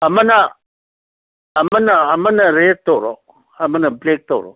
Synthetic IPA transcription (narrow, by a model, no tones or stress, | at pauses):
amana | manaamanaɾetoɾo̰ | amanablek̚toɾo̰